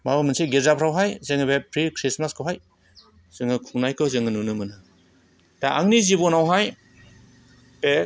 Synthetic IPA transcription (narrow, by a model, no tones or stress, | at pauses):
mabamɯnseɡiɾzapʰɾawɦajzeŋɯβepʰɾikʰɾismaskʰɯwɦaj | z̥ɯŋɯkʰuŋnajkʰɯzɯŋɯnɯnɯmɯnɯ | daaŋnizibɔnawɦaj | e